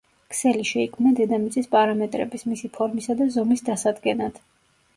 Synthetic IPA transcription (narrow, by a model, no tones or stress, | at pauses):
kʰsɛliʃɛikʰmnad̪ɛd̪amit̪sʼispʼaɾamɛt̪ʼɾɛ̰bismisipʰɔɾmisad̪azɔmisd̪asad̪ɡɛnad̪̥